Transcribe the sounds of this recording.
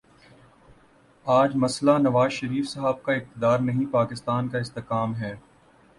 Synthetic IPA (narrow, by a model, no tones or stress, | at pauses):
aːd͡ʒmɐslanɐʋaːzʃɐɾiːfsɐɦab̚kaɪq̚t̪ɪd̪aːɾnɐɦĩpaːkɪst̪aːnkaɪst̪ɪqaːmɦɛː